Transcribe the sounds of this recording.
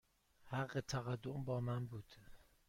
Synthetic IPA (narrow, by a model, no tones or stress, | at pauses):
hæɢːet̪ʰæɣæd̪ːombɒːmænbuːd̪̥